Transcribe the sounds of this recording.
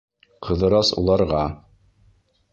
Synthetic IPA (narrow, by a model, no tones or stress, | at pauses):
qʰɤ̆ðɤ̆ɾɑsṵlˠɑɾʁɑ